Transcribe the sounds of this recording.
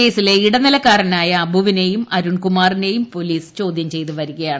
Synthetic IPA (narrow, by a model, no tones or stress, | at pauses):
e̞ːsile̞iɽɐnilɐkːaːɾɐnaːjɐːbʱuʋine̞jumɐɾuɳkumaːrine̞jumpo̞liːst͡ɕo̞ːd̪ʱjɐmt͡ɕe̞jt̪uʋɐɾuɣɐjaːɳɨ